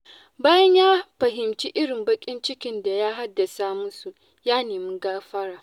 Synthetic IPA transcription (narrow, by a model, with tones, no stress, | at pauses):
baː˦jɐ˦ɲjaː˦ɸɐ˨ɦɪ˨mt͡ʃi˦ʔɪ˦ɽɪ˨mbɐ˦kʲʼɪ˦nt͡ʃɪ˦kʲɪ˦nda˨jaː˦ɦa˦dːa˨sa˦mʊ˦nsu˨ | jaː˦neː˨mɪ˦ŋɡaː˦ɸɐ˦ɽaː˨